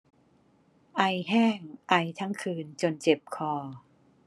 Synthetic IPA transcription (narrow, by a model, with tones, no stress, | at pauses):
ʔa˧jɦɛː˥˩ŋʔa˧˩jt̪ʰa˦˥ŋkʰɯː˧nt͡ɕo˧nt͡ɕe˨˩p̚kʰɔː˧˩